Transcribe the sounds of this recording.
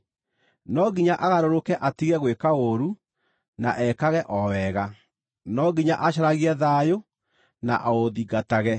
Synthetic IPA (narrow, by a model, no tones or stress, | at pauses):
nɔɡiɲaʔaɣaɾoɾokɛʔatiɣɛɣwekaoɾu | naʔɛkaɣɛʔɔwɛɣa | nɔɡiɲaʔaɕaɾaɣiɛðajo | na̰ʔaoðiɡataɣɛ